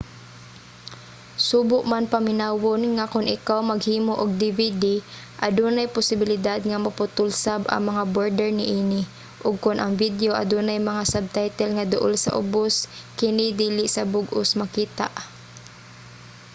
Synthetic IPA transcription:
suːbʊʔmanpɐmɪnaːwonŋakʊnʔɪkawmɐɡhiːmoʔʊɡ̚d̪ɪvid̪i | ʔɐd̪uːnajpʊsɪbɪlɪd̪ad̪̚ŋamɐpʊt̪ʊlsabɐ̰ŋmɐŋaboɹd̪ɛɹnɪʔiːnɪ | ʔʊɡ̚kʊnʔɐŋvid̪joʔɐ̰d̪uːnajmɐŋasab̚t̪ajt̪ɛlŋɐd̪ʊʔolsɐ̰ʔʊ̰boskɪnɪd̪iːlɪsɐbʊɡʊsmɐkiːt̪a̰ʔ

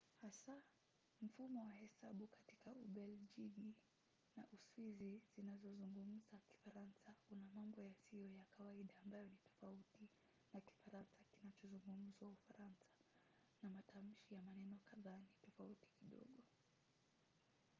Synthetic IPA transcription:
hasa | m̩fumɔwahɛsaɓukatikauɓɛld͡ʒiɡi | na̰ʔuswizizinazɔzuŋɡum̩zaki̥faɾansaunamambɔjasiɔjakawaiɗaːmbajɔnitɔ̥fauti | naki̥faɾansakinat͡ʃɔzuŋɡum̩zwaufaɾansḁ | namatʰam̩ʃijamanɛnɔkaðanitɔfauti̥kiɗɔ̰ɠɔ

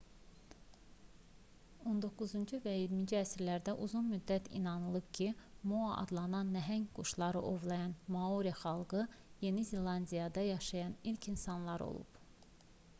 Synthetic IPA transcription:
o̞nd̪o̞kːuzund͡ʒuvæjiɾmind͡ʒiæsiɾlæɾd̪æʔuzunmyd̪ːæt̪ʰḭnɑnɯlˠɯbcʰimoɑʔɑ̰d̪lˠɑnɑnːæɦæŋɡuʃlˠɑɾɯʔo̞vlˠɑjɑnmɑoɾijɑχɑlˠɡɯje̞nizelˠɑnd̪ijɑd̪ɑjɑʃɑjɑnilcʰinsɑnlˠɑɾo̰lˠṵp

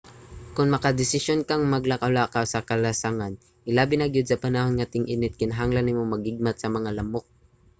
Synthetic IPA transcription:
kʊnmɐkad̪ɪsɪsjonkaŋmɐɡlakɐʔʊlakawsɐkɐlasaŋan | ʔɪlaːbɪnaɡɪd̪̚sɐpɐnahɦonŋat̪ɪŋʔɪnɪt̪̚kɪnɐɦaŋlanːɪmomɐɡɪɡ̚mat̪sɐmɐŋalɐmok̚

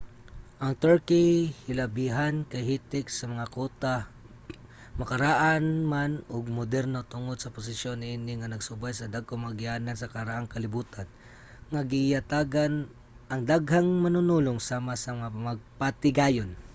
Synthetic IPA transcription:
ʔɐŋt̪ɛɹkɪhɪlɐbiɦankɐjhit̪ɪksɐmɐŋakoːt̪a | mɐkɐɾaʔanmanoɡ̚mʊd̪ɛɾnot̪ʊŋod̪̚sɐpʊs̬ɪsjonːɪʔinɪŋɐnɐɡsʊbajsɐd̪aɡ̚omaɡɪanansɐkɐɾaʔaŋkɐlɪbuːt̪an | ŋaɡɪjɐt̪aːɡan | ʔɐŋd̪aɡɦaŋmɐnʊnuloŋsaːmasɐmɐŋamaɡ̚pat̪ɪɡaːjon

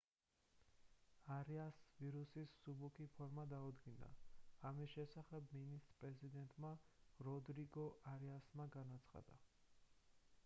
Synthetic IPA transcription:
aɾiasviɾusissubukʰipʰɔɾmad̪aud̪ɡina̰amisʃɛsaχɛbminist̪pʼɾɛzid̪ɛnt̪ʼmaɾɔd̪ɾiɡɔʔaɾɛasmaɡanat̪sʰχa̰d̪a̰

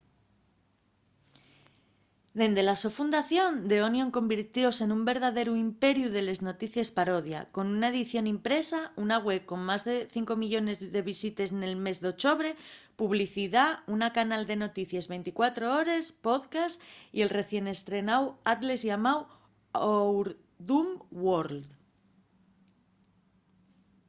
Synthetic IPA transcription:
d̪e̞nd̪e̞laso̞fund̪aθjo̞nd̪e̞onjõ̞ŋko̞mbiɾt̪jo̞se̞numbe̞ɾðaðe̞ɾuimpe̞ɾjuð̞e̞le̞zno̞t̪iθje̞spaɾo̞ðja̰ko̞nunae̞ðiθjo̞nimpɾe̞saunaɣwe̞β̚ko̞ŋmazðe̞θiŋko̞miʎo̞ne̞zðe̞β̞isit̪e̞sne̞lme̞zðeo̞t͡ʃo̞βɾe̞puβliθiðaunakanald̪e̞no̞t̪iθjezβe̞jnt̪ikwat̪ɾo̞o̞ɾespo̞ðkasie̞lre̞θje̞ne̞st̪ɾe̞nawat̪le̞zʝamaw | owɾ | ðumwoɾld̪

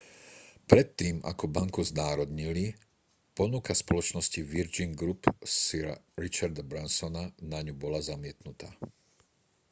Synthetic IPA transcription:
pɾɛt̪ːiːma̰kɔbaŋkuznaːɾɔd̪ɲili | pɔnukaspɔlɔt͡ʃnɔsciʋiɾd͡ʒiŋɡɾupsiɾa̰ɾit͡ʃaɾd̪abɾansɔnanaɲubɔlazamɪɛt̪nut̪aː

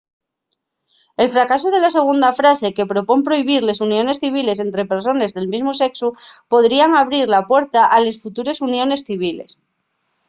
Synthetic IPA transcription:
e̞lfɾakasoð̞e̞lase̞ɣ̞und̪afɾase̞ke̞pɾopo̞mpɾo̞iβ̞iɾle̞sunjõ̞ne̞sθiβ̞ile̞s̬e̞nt̪ɾe̞pe̞ɾso̞ne̞zðelmizmose̞ksupo̞ðɾiaŋaβ̞ɾiɾlapwe̞ɾt̪aʔale̞sfut̪uɾe̞sunjo̞ne̞sθiβ̞iles

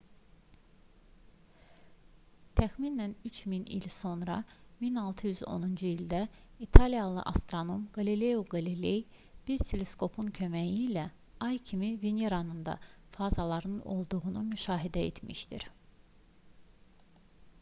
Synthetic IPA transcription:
t̪ʰæxminænyt͡ʃʰminḭlso̞nɾɑ̰minɑlˠt̪ʰɯjyzo̞̰nund͡ʒuild̪æit̪ʰɑlijɑlˠɯ̰ʔɑ̰st̪ɾono̞mɡ̥ɑlile̞uɡɑlilej | b̥iɾt̪ʰele̞sko̞pʰuncʰø̞mæjiːlæ | ɑjcʰimivenjeɾɑnɯnd̪ɑ̰fɑːzɑlˠɑɾnɯno̞̰lˠd̪uɣunumyʃɑːɦid̪æḛt̪ʰmḭʃt̪ḭɾ

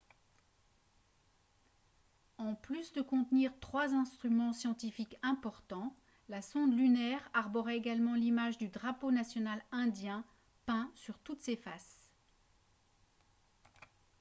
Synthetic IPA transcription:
ɑ̃plysd̪əkɔ̃t̪niʁt̪χwazɛ̃st̪χymɑ̃sjɑ̃t̪ifikɛ̃pɔʁt̪ɑ̃ | lasɔ̃d̪lynɛʁaʁbɔʁɛeɡalmɑ̃limaʒd̪yd̪ʁaponasjɔnalɛ̃d̪jɛ̃ | pɛ̃syʁt̪ut̪sefas

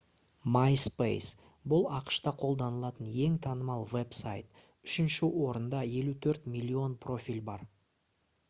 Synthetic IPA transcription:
majspḛjs | bʊlˠɑqə̥ʃt̪ɑqʰo̞lˠd̪ɑnəlˠɑt̪əne̞ŋt̪ʰɑnəmɑlˠve̞psa̰jt̪ | ʏʃɪnʃɪwo̞ɾənd̪ɑje̞lut̪ʰɵɾt̪mʲilʲːio̞npro̞fʲijlʲbɑɾ

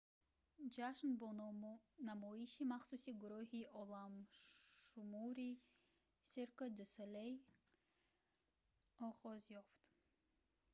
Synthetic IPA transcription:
d͡ʒaʃnbɔ | namɔiʃimaχsusiɡuɾɔɦiʔɔlam | umuɾi | siɾkɔd̪uselej | ɔʁɔzjɔft̪

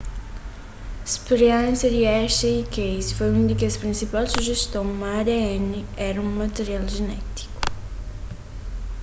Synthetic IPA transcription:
spɾjanseɾiɛʃeikejsfɔjund̪ikespɾinsipalsuʒest̪oŋmaɾeɛniɛɾɐuŋmat̪eɾjald͡ʒenɛt̪i̥ku̥

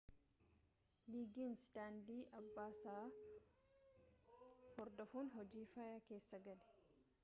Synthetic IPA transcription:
liːɡinsd̪aːnd̪iːʔɐbːaːsaː | hɔɾd̪ɔfuːnɦɔd͡ʒiːfajaːke̞ːsːɐɡɐlɛ̥

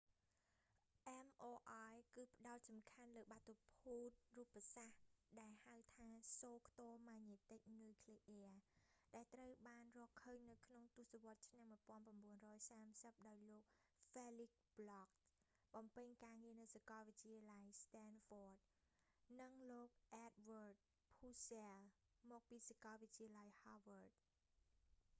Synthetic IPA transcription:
ʔɛmʔoːʔajkɨːpə̆ɗaɔt̪̚sɑmkʰanləːɓat̪opʰuːt̪̚ruəpːasahɗaɛlhawt̪ʰaːsoːkʰt̪oəmaɲet̪ek̚nuːkʰleːʔɛəɗaɛlt̪rəwɓaːnrɔəhkʰːəːɲnɨwkʰnoŋt̪ŭəsaʋŏət̪̚t͡ɕʰnaŋmuəjpŏənprɑmɓuənrɔːjsaːmsəp̚ɗaɔjloːk̚felik̚b̥lɑk̚ | ɓɑmpɨɲkaːŋiənɨwsakɑlʋɨc̚t͡ɕiəlajst̪ɛnfoːt̚ | nɨŋloːk̚ʔɛt̪̚ʋəːrt̪̚ | pʰuːsɛəl | mɔːk̚piːsakɑlʋɨt̚t͡ɕiəlajhɑʋəːrt̪̚

